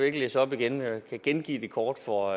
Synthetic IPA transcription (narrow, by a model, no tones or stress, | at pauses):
eɐɡ̥əlesɒ̽b̥iɡ̥enkʰæɡ̥enɡ̥ḭːd̥e̝kʰɒːd̥fɒ